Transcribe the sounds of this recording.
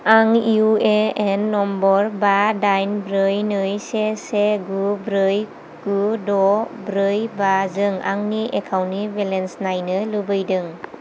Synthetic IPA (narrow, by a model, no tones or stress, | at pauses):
aŋiueenːɔmbɔɾbadajnbɾɯjnɯjseseɡubɾɯj | ɡ̥udɔbɾɯjbazɯŋa̰ŋniʔekʰawnibelensnajnɯlubɯjdɯŋ